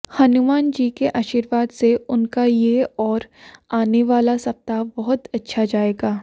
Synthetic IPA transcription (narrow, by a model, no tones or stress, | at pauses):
hɐnʊmaːnd͡ʒiːkeʔaːʃiːɾʋaːd̪seʊnkajeɔːɾaːneʋaːlasɐp̚t̪abɐɦʊt̪ɐtːʃʰad͡ʒaːeːɡaː